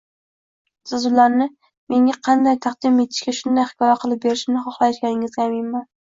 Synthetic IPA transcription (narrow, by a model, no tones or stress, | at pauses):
sʊzʊlaɾnɪ | me̞ŋʲaqʰɑnd̪ajt̪ʰɑqd̪ɪme̞t̪ʰɪ̥ʃkʲaʃʊnd̪ajχɪ̥kʰɒjaqʰɨlˠɪp̚be̞ɾɪʃɪmnɪχɒχlˠajʃɡʲanɪŋɪzɡʲamɪnmːan